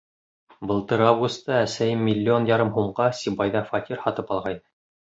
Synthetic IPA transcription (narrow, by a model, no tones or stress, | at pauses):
bɤ̆lˠt̪ɤɾavɡust̪ːɑæsæjɘmʲːilʲːɪo̞njɑɾɤmɦuɴʁɑsʲibɑjðɑfɑt̪ʲiɾhɑt̪ɤpɑlˠʁɑjɤ